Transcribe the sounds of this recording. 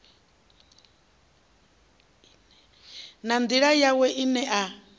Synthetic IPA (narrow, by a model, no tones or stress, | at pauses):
nand̪iɺajawɛʔinɛʔa